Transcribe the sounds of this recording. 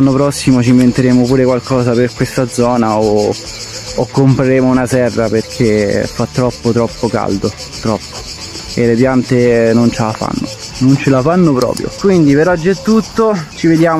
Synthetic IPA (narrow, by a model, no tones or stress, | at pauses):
anːopɾɔsːimot͡ʃimːent̪eɾeːmopuːɾekwalkʰɔːzaperkwest̪ad̪zɔːnaoː | kːompɾeɾeːmounasɛrːaperkʰefat̪ːɾɔpːot̪ɾɔpːoka̰ld̪o | t̪ɾɔpːo̥ | elepjant̪enont͡ʃelafa̰nːo̰ | nont͡ʃelafanːopɾɔ̰ːpɾjo̰kwind̪ipeɾɔd͡ʒːɛt̪ːut̪ːot͡ʃived̪jaːm